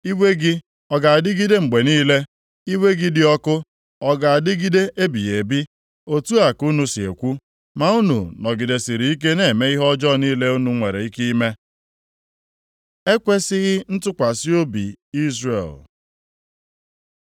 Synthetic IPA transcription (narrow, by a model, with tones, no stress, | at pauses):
i˦we˦ɡɪ˦ | ɔ˨ɡa˨a˨dɪ˦ɡi˦de˦ŋ͡m̩˨ɡ͡be˨niː˦le˦ | i˦we˦ɡɪ˦dɪ˨ɔ˦kʊ˦ | ɔ˦ɡa˨a˨dɪ˦ɡi˦de˦ʔe˦bi˨ɣe˨bi˦ | o˨tu˦a˨ku˦nu˦si˨ḛ˨kʷu˦ | ma˨u˦nṵ˨nɔ˨ɡɪ˨de˨si˨ɾi˨i˦k̬e˦ne˦˨me˦i˦ɦɔ˦d͡ʒɔ˦˨niː˦le˦u˦nu˦ŋʷe˨ɾe˨i˦ki˦i˦me˦ | e˦kʷe˦sɪ˦ɣɪ˦n̩˦tʊ˦kʷa˨si˦o˦bḭ˨i˦zrḛ˨l